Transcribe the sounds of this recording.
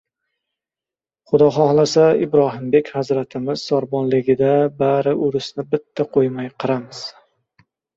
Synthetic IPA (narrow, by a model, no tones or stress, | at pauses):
χʊd̪ɒχɒhlˠasaɪbɾɒɦɪmbe̞kʲhazɾat̪ʰɪmɪz̥sɒɾbɒnlɪɡʲɪd̪abaɾɪʔʊɾɪsnɪbɪt̪ʰːaqʰojmajqʰɨɾamɪz̥